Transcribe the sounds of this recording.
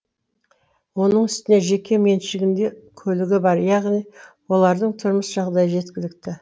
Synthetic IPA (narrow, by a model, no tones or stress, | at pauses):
wo̞nəɴʏst̪ɪne̞ʒe̞kʲʰe̞me̞nʃɪɡʲɪnd̪e̞kʲʰɵlɪɡʲɪbɑɾjɑʁnijwo̞lˠɑɾd̪əɴt̪ʰʊɾməsʒɑʁd̪ɑjəʒe̞t̪kʲɪlɪk̚t̪ɪ